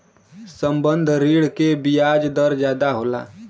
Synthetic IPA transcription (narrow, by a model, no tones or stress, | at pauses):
səmbənd̪ʱɾiɽkebijad͡ʒd̪əɾd͡ʒjaːd̪aɦola̰ː